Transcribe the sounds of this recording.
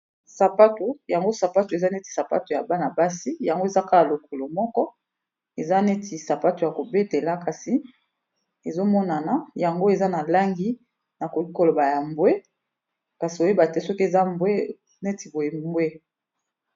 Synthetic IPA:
sa˨pa˦to˨ja˨ŋɡo˦sa˨pa˦to˨e˨za˦ne˦ti˨sa˨pa̰˦to˨ja˨ba˦na˨ba˦si˦ja˨ŋɡo˦e˨za˦ka˦a˨lo˨kʰo˨lo˨mɔ˦kɔ˦ | e˨za˦ne˦tʰi˨sa˨pa˦to˨ja˨ko˨be˦te˨la˦ka˨si˨ | e˨zo˦mɔ˦na˨na˨ja˨ŋɡo˦e˨za˦na˨la˦ŋɡi˦ | na˨ko˨ki˦ko˨lo˨ba˨ja˨mbwe˦ | ka˨si˨o˨je˦ba˨tɛ˦sɔ˦ki˦e˨za˦mbwe˦ | ne˦ti˨bo˨je˨mmbwe˦

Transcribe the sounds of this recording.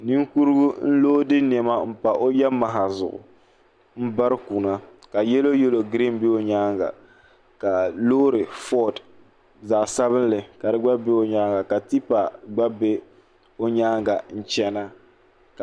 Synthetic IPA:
ni˦ŋku˦ɾɨ˦ɡʊ˦n̩˦loː˦dɨ˦n˨ɛ˨ma˦m̩˦pa˨ʔo˦jɛ˦ma˨ɦa˨zʊ̰˨ʔʊ̰˨ | m̩˦ba˦ɾɨ˦ku˨na˦ | ka˨jɛ˦lo˦jɛ˦lo˨ɡɾi˦m˦be˦o˦ɲaː˦ŋɡa̰˨ | ka˨loː˦ɾɨ˨fɔ˦d | za˨ʔsa˦βɨ˦n˦lɨ˨ka˨dɨ˦ɡ͡ba˦be˦o˦ɲaː˦ŋɡa˨ka˨ti˦pa˨ɡ͡ba˦be˦ | o˦ɲaː˦ŋɡa˨n̩˦t͡ʃɛ˦na˦ | k

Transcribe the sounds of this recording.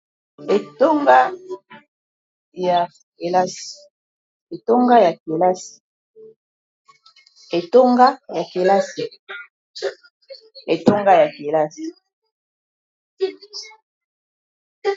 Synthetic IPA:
e˨to˦ŋɡa˦ | ja˨ | e˨la˦s | e˨to˦ŋɡa˦ja˨ke˨la˦si̥˨ | e˨to˦ŋɡa˦ja˨ke˨la˦si˨ | e˨to˦ŋɡa˦ja˨ke˨la˦si˨

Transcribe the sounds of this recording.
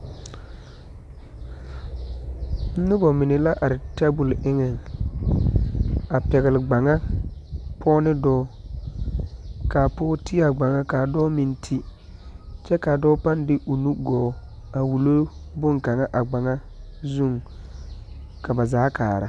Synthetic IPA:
n̩˦nʊ˦bɔ˨mɪ˨nɪ˨la˦ʔa˨ɾɪ˨ta˦bʊ˨lɪ˦ŋɛ˨ŋ | a˨pɛ˨ɣɪ˨lɪ˨ɡ͡ba˨ŋa˦ | pʰɔː˦nɪ˦dɔː˦ | kaː˨pɔː˦ti˦a˨ɡ͡ba˨ŋa˦ka˨dɔː˦mi˦ntʰi˦ | t͡ʃɛ˦ka˨dɔː˦pa˦ndɪ˦ʔu˨nu˦ɡɔː˨˦ | a˨wu˨lo˦bʊ˦ŋka˨ŋa˦ʔa˨ɡ͡ba˨ŋa˦ | zu˦˨ŋ | ka˨ba˨zaː˨˦kʰa̰ː˨ɾa̰˨˦

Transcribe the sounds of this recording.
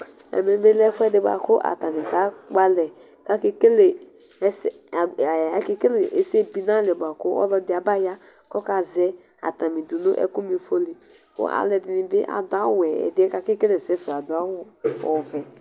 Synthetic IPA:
ɛ̰˨me˨˦be˦lɛ˦fʊ˦ɛ˦dɪ˨˦ba̰˨kʊ˦ʔa̰˨ta˨mɪ̃˨ta˨˦ɡ͡ba˦lɛ˨ | ka˦kɪ˦ke˦le˨˦ | s | a˨kɪ˦ke˦le˨ʔe˨se˦pi˦na˦˨lɛ˨ba˨kʊ˦ɔ̰˦lɔ˦dɪ˦a˨ba˦ja˦ | kɔ˦ka˨zɛ˦ | a̰˨ta˨mĩ˨dʊ˨nʊ̰˦ʔɛ̰˨ku˦m˦˨fo˦li˨ | kʊ̰˦ʔa̰˨lɛ˨dɪ˨nɪ˨bɪ˦ʔa̰˨dʊ˨a˦wɛ˨ɛ̰˨dɪ˦ɛ˦ka˦kɪ˦ke˦le˨sɛ˦fa˨dʊ˨a˦wɔ˦ɔ̰˨vɛ˨

